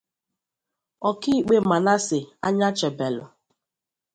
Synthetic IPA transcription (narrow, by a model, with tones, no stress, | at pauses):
ɔ˨ki˦i˦k͡pe˨ma˨na˦sɪ˨a̰˦ɲa˦t͡ʃɛ˨bɛ˨lʊ̰˨